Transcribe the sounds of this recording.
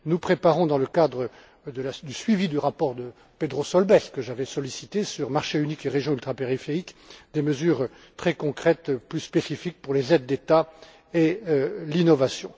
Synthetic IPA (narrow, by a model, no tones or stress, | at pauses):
nupχepaʁɔ̃d̪ɑ̃ləkad̪ʁə | d̪əlad̪ysɥivid̪yʁapɔʁd̪ə | ped̪ʁosɔlbɛskəʒavɛsɔlisit̪esyʁmaʁʃeynikeʁeʒjɔ̃ylt̪χapeʁifeʁikd̪eməzyːʁ | t̪χɛkɔ̃kχɛt̪plyspesifik̚puʁlezɛd̪ːet̪a | elinɔvasjɔ̰̃